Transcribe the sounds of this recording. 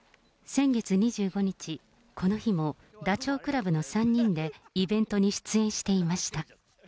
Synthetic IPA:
sẽ̞ŋɡe̞t͡sɨɲ̟iʑɨːɡo̞ɲ̟it͡ɕi | kʰo̞no̞çimo̞ | d̪at͡ɕo̞ːkɯɾabɯno̞sãɲ̟ːĩnd̪e̞ibẽ̞nt̪o̞ɲ̟iɕɨ̥t͡sɨẽ̞ɰ̃ɕi̥t̪e̞imaɕi̥t̪a

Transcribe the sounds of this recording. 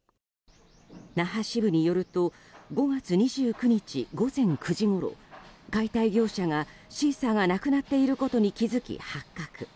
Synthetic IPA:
naɦaɕibɯ̟ɲ̟ijo̞ɾɯ̟t̪o̞ | ɡo̞ɡat͡sɨɲ̟iʑɨːkɯ̟ɲ̟it͡ɕḭɡo̞zẽ̞ŋkɯ̟ʑiɡo̞ɾo̞̰ɡait̪aiɡʲo̞ːɕaŋaɕiːsaŋanakɯ̟nat̪ːe̞iɾɯ̟ko̞t̪o̞ɲ̟ikʲizɨkʲḭhakːakɯ̟̥

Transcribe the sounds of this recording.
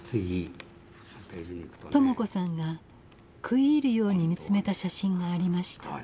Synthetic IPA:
t͡sɨɡʲi | t̪o̞moko̞sãŋɡa | kʰɯ̟iːɾɯ̟jo̞ːɲ̟imʲit͡sɨme̞t̪aɕaɕĩŋɡaːɾʲimaɕi̥t̪ḁ

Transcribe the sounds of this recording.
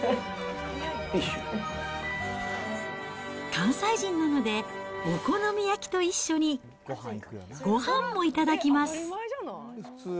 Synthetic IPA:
kãɰ̃saiʑĩnːano̞d̪e̞oko̞no̞mʲijakʲi̥t̪o̞iɕːo̞ɲ̟i | ɡ̥o̞hãmːo̞it̪ad̪akʲimasɨ̥

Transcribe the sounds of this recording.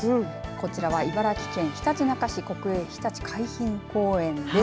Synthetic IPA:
ko̞t͡ɕiɾaβaibaɾakʲi̥kẽ̞ɰ̃çi̥t̪at͡ɕinakaɕiko̞kɯ̟eçi̥t̪at͡ɕi̥kʰaiçĩŋko̞ːẽ̞ne

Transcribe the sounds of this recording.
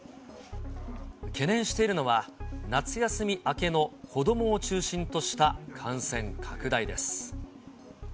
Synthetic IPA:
ke̞nẽ̞ɰ̃ɕi̥t̪e̞iɾɯ̟no̞βanat͡sɨjasɨmʲiʔake̞no̞kʰo̞d̪o̞mo̞ːt͡ɕɨːɕĩnt̪o̞ɕi̥t̪akʰãɰ̃sẽ̞ŋkʰakɯ̟d̪aid̪e̞sɨ̥

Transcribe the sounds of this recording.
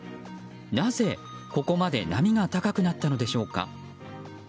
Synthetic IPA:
naze̞ | ko̞ko̞mad̪e̞̰namʲiɡat̪akakɯ̟nat̪ːano̞d̪e̞ɕo̞ːka̰

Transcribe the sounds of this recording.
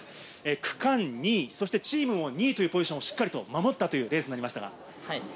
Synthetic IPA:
ekɯ̟̥kãnɲʲiːso̞ɕ̬i̥t̪et͡ɕiːmɯ̃oɲ̟ʲiːt̪o̞jɯ̟ːpo̞d͡ʑʑiɕõːoɕi̥kːaɾʲit̪o̞mamo̞t̪ːat̪o̞jɯ̟ːɾe̞ːzɨɲinaɾʲimaɕi̥t̪a̰ɡa̰

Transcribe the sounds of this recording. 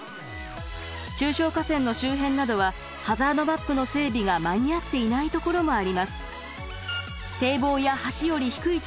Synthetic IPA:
t͡ɕɨːɕo̞ːkasẽ̞nːo̞ɕɨːɦẽ̞nːad̪o̞β̞a | hazaːno̞bapːɯ̟no̞se̞ːbʲiɡamaɲ̟iat̪ːe̞inait̪o̞ko̞ɾo̞mo̞aɾʲimasɨ̥ | t̪e̞ːbo̞ːjahaɕijo̞ɾʲiçi̥kɯ̟it͡ɕ

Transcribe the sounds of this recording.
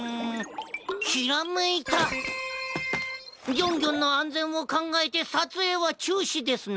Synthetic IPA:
ɕiɾamɯit̪a | ɡʲõ̞ŋɡʲõ̞nːoãnd͡zẽ̞ɰ̃o̞kãŋɡaet̪e̞sat͡sɨe̞βat͡ɕɨːɕid̪e̞sɨn

